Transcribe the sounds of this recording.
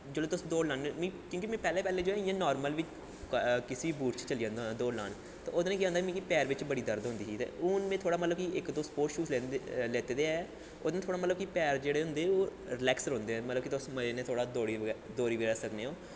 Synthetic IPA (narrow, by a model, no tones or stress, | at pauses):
d͡ʒeːloːt̪ʊsːd̪oːlãːnmĩːkjõːkiːmɛ̃ːpɛːleːpɛːleːd͡ʒoːɛ̃ĩãːnɔːɾməlʋit͡ʃ | kɪsibuːʈt͡ʃt͡ʃəliːãːnd̪d̪oːla̰ːn | t̪ḛ̃ːod̪ːnẽːkiãːnd̪amĩːkipɛːɾʋɪt͡ʃbəɽiːd̪əɾd̪ɦʊ̃nd̪iːiːt̪ḛːʊːnmẽːt̪ʰoːɽaːmət̪ləb̚kiʔɪkd̪oːspoːʃuːsleleːt̪eːd̪eːɛː | o̰ːd̪nːt̪ʰoːɽaːmət̪ləb̚kipɛːɾd͡ʒeːɽeːɦʊ̃nd̪eːoːɾɪlɛːksɾõːnd̪eːɛ̃ːmət̪ləbkit̪ʊsməenẽːt̪ʰoːɽaːd̪oːɾiːd̪oːɾiːʋiɾəsəkneːõː